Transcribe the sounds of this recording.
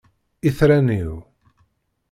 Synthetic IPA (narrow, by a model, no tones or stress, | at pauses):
iθɾæniw